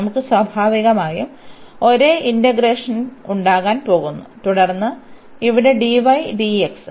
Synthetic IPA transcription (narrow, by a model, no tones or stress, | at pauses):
mukːɨswɐbʱaːʋiɣɐmaːjumo̞ɾeʔindɐɡɾeːʂɐnuɳɖaːɣaːnpo̞ːɣunːut̪uɽɐrnːɨiʋiɽeɖiʋɐjɖieksɨ